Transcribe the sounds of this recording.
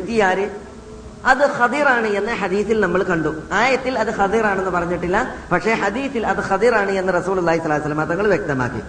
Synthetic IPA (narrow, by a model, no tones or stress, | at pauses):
t̪ːijaːɾɨ | ɐðɨxɐd̪iːɾaːɳɨe̞nːɐħɐd̪iːθilnɐmːɐɭkɐɳɖuaːjɐt̪ːilɐðɨxɐd̪iːɾaːɳe̞nːɨpɐrɐɲːiʈːilːɐpɐkʂe̞ːħɐd̪iːθilɐðɨxɐd̪iːɾaːɳɨe̞nːɨrɐsuːlulːaːɦisɐlːsɐlːɐmɐd̪ðɐŋːɐɭʋjek̚t̪ɐma̰ːkːḭ